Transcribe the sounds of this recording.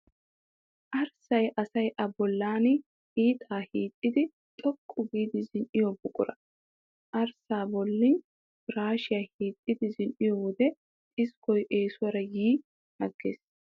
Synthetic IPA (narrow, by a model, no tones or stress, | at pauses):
ʔɐɾsɐjʔɐsɐjʔɐbɔlːaːn | hiːt̪ʰaːhiːt̪ʼːɪd̪ɪ | t̪ʼɔkʼːʊɡiːd̪ɪzɪnʔɪjɔbʊkʼʊ̰ɾɐ | ʔɐɾsaːbɔlːɪn | ɾaːʃɪjaːhiːt̪ʼːɪd̪ɪzɪnʔɪjɔwɔd̪ɛ | tʼɪskɔjʔe̞ːsʊwɐɾɐjiː | hɐɡːḛːs